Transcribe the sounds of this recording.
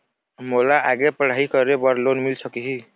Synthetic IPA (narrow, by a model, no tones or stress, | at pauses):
molaʔaɡepəɽ̤aikəɾebəɾlonmilsəkiɦi